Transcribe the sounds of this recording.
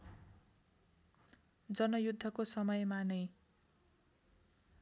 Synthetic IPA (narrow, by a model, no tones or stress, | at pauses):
d͡zʌnʌjud̪ʱːʌkosʌmʌjmanʌj